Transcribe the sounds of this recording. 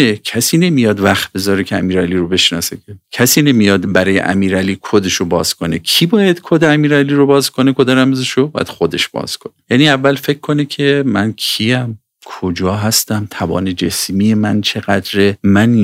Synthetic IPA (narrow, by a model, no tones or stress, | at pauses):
ecʰæsiːne̞mijɒːd̪væxt̪̚be̞zɒːɾecʰeæ̰miːɾæliːɾobe̞ʃnɒ̰ːsekʰecʰæsiːnemijɒːd̪bæɾɒːjḛʔæ̰miːɾæliːkʰod̪eʃobɒːz̥kʰonekʰiːbɒːjæd̪̥kʰod̪eæmiːɾæliːɾobɒːzkʰonekʰod̪ɒɾæmezeʃobɒːjæ̰d̪̥xod̪e̞ʃb̥ɒ̰ːz̥kʰonejæːniævːælfe̞kʰːo̞necʲʰemæ̰nkʰijæm | kʰod͡ʒɒːɦæst̪æmt̪ʰævɒ̰ːne̞d͡ʒe̞smije̞mænt͡ʃʰe̞ɣæd̪ɾemæn